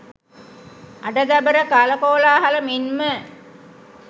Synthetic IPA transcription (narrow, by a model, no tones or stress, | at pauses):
aɖəd̪æbəɾəkaləkoːlaːɦaləminmə